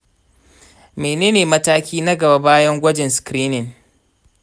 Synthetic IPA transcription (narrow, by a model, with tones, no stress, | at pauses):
meː˨neː˦neː˨mɐ˦taː˦kʲiː˦nɐ˦ɡɐ˨ba˦baː˦jɐ˦ŋɡʷɐ˦d͡ʒɪ˨nskɾiː˦nɪ˨ŋ